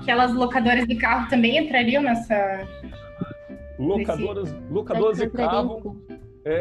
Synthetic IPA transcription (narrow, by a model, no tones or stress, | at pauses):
kɛlɐzlokad̪oɾɐzd͡ʒɪkaɦʊt̪ɐ̃mbẽj̃ẽnt̪ɾaɾiɐ̃nɛsɐ | lokad̪oɾɐzlokad̪oɾɐzɪkaʊ | ɛ